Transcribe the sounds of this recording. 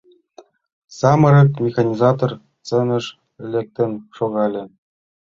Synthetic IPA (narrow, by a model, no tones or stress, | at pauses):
sɑmɤ̆ɾɤ̆kmʲexɑnʲizɑt̪or | t͡sĕnʲɘ̆ʂ | lʲĕk̚t̪ʲɘ̆nʲʂoɣɑlʲɘ̆